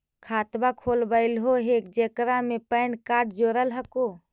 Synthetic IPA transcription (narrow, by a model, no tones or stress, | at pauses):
kʰaːt̪bakʰoːlbəɪlɦoɦek̚d͡ʒekɾamepəɪnkaːʈd͡ʒoːɾəlɦəko